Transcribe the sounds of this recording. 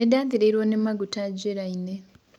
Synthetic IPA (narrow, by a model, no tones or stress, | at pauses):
edaːdiɾeiɾwoːnemaɡutaɟeɾaine